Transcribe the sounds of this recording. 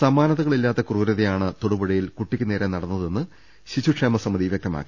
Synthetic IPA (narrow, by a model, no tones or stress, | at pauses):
sɐmaːnɐðɐɣɐɭilːaːt̪ːɐkruːɾɐðɐjaːɳɨt̪oɽubɐɽijilkuʈːikʲːɨne̞ːɾenɐɽɐnːɐðe̞nːɨ | ɕiɕuʈʂeːmɐsɐmːɐðiʋjek̚t̪ɐma̰ːkʲːi̥